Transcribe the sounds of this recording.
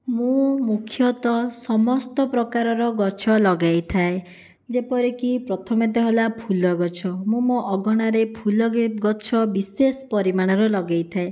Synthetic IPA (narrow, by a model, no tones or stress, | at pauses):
mũmukʰjɔt̪ɔsɔmɔst̪ɔpɾɔkaɾɔɾɔɡɔt͡ʃʰɔlɔɡajt̪ʰae | d͡ʒepɔɾikipɾɔt̪ʰɔmet̪ɔɦɔlapʰulɔɡɔt͡ʃʰɔmũmoʔɔɡɔɽ̃aɾepʰulɔɡɡɔt͡ʃʰɔbisesɔ̥pɔɾimaɽ̃ɔɾɔlɔɡajt̪ʰae